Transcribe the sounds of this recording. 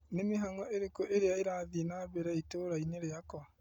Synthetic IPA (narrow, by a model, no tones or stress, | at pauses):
nemeɦaŋɔʔeɾekoʔeɾeaeɾaːðinaβeɾɛitoːɾaineɾeakɔ